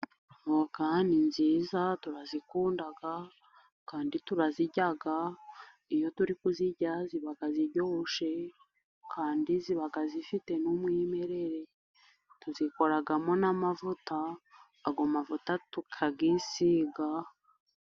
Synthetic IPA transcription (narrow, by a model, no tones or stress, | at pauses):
okaːndinziːzatuɾazikuːndaɡa | kaːndituɾaziɟaɡa | ijo̞tuɾikuziɟaziβaɡaziɾɟohoʃe̞ | kʰaːndiziβaɡazifite̞numwime̞ɾe̞ɾe̞ | tuziko̞ɾaɡamonamavutaː | ɡomavutatukʰaɡisiɡa